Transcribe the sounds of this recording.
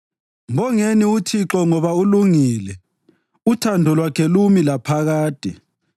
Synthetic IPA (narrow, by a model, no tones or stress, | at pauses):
ŋɔŋeniutʰiǁɔŋɔβauluŋiːlɛ | utʰandʱɔlwakʰɛlumilapʰaɣaːtʼi